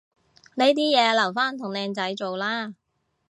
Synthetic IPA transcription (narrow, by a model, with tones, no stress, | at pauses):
ne˨˧jt̪iː˥jɛː˨˧lɐ˨˩wfaː˥nt̪ʰʊ˨˩ŋlɛː˨˧ŋt͡sɐ˨˥jt͡so˨wlaː˥